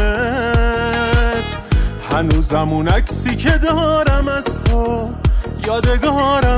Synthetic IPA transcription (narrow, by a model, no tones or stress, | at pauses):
t̪ | hænuːzæmunæcʰsiːkʰed̪ɒːɾæmæst̪ʰo | jɒːd̪eɡɒːɾæ